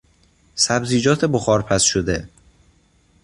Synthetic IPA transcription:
sæbziːd͡ʒɒːt̪ʰe̞boxɒːɾpʰæsʃod̪e

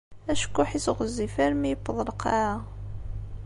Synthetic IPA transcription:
æʃkːʊħisʁəzːifæɾmijəpːəðˤləqɑɾæ

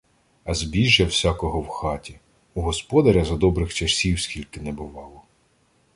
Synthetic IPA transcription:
ɐzbʲiʒjɐwsʲakɔɦɔwxɑtʲi | uɦɔspɔd̪ɐɾʲɐzɐd̪ɔbɾɪxt͡ʃɐsʲiwsʲkʲilʲkɪnɛbʊʋɑlˠɔ

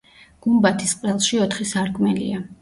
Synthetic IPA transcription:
ɡ̥umbat̪ʰisqʼvɛlˠʃiɔt̪ʰχisaɾkʼmɛlḭa

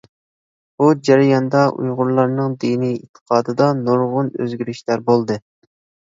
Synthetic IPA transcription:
b̥ud͡ʒæɾɪjɑnd̪ɑʔṵjʁʊɾlˠɑɾnɨŋd̪inijḭt̪ʰːə̥qʰɑːd̪ɨd̪ɑnuɾʁʊnø̰zɡʲyɾyʃlæɾbolˠd̪ɨ

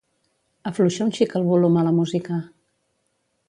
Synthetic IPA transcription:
əfluʃaunʃikəlˠβulomaləmuzikə

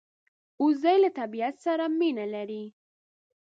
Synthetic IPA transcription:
uzajlat̪abiat̪saɾaminalaɾi

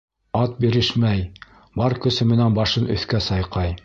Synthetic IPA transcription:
ɑt̪̚biɾɘʃmæj | bɑɾkɵ̆sɘmɘ̆nænbɑʃɤnɵ̰̆θkæsɑjqɑj

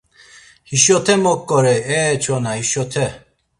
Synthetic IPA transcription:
hiʃɔt̪ʰɛmɔkʼːɔɾɛɛt͡ʃʰɔnahiʃɔt̪ʰɛ

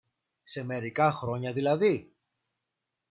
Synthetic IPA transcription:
se̞me̞ɾikɐxɾo̞ɲɐðilɐði

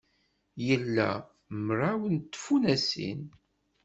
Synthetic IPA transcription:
jəlːæ̰ | məɾawənt̪ːfunæsḭn

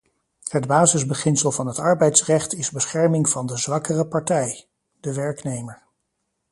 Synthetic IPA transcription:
hədbaːzɪzbəχɪnsəlˠvɑnɦətɑɹbɛjtsrɛχtɪzbəsχɛɹmɪŋv̥ɑndəzʋɑkərəpɑɹtɛj | dəʋɛɹknejməɹ

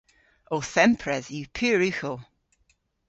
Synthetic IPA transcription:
oθɛ̃mpʰɹɛzjʉpʰiːɹʉxəlˠ

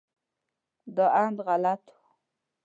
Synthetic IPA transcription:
d̪əand̪ɣalat̪u̥

